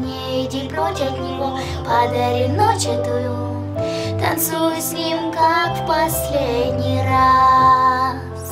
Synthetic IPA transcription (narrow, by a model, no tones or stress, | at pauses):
nʲɪ | dʲɪlʲpɾotʲɐt̪nʲɪvo | pɐd̪ɐɾʲinot͡ɕɛt̪ʊju | t̪ɐnt̪sujʊsʲnʲimkakfpɐsʲlʲedʲnʲijra | s